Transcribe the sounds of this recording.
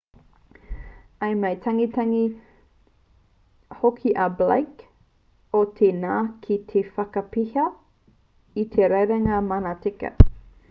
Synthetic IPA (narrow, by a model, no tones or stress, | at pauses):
ɐjmɐjt̪ʰɐŋitɐŋi | hokʰiʔɐbla̰jk | ot̪ʰenaːkʰit̪ʰefɐkɐpihɐ | it̪ʰeɾɐjɾɐŋaːmanatikɐ̰